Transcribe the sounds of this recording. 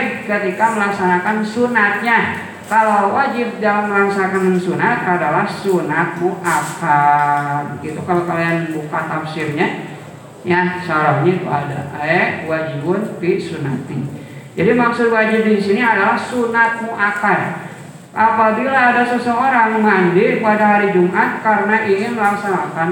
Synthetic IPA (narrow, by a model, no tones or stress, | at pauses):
p̚kət̪ikaməlaksanakansunat̪̚ɲa | kalawad͡ʒɪp̚dalamːəlaksanakanŋsunat̪adalahsunat̪̚muʔaka | ɡit̪ukalakalianbukat̪apsɪrɲa | jasaɾaɲait̪uada̰ʔɛwad͡ʒiwʊnpisuna̰t̪ɪ | d͡ʒadimaksʊt̪̚wad͡ʒɪfdisiniadalahsunat̪̚muʔaka | ʔapabilaːdasəsooɾaŋmaɲd͡ʒɪpadaɦaɾid͡ʒumʔat̪̚kaɾənaʔiŋɪnməlaŋsanakan